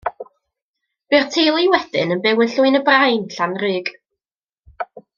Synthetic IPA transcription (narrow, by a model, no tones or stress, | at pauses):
b̥ɨːrtʰejlˠiwɛd̥ɪ̰nənbɪwənɬuːɨnəbrajnɬanrɨːɡ̥